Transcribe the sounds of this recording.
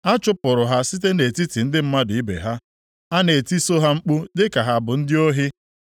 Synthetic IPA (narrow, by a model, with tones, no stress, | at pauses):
a˦t͡ʃʊ˦pʊ˨ɾʊ˨ɦa˦sɪ˦te˦ne˨ti˦ti˨n̩˦dɪ˦m̩˦ma˦dʊ˨i˦bḛ˨ɦa˦ | a˦ne˨ti˦so˦ɦa˦ŋ͡m̩˦k͡pu˦dɪ˦ka˨ɦa˨bʊ˨n̩˦dɪ˦o˦ɦɪ˦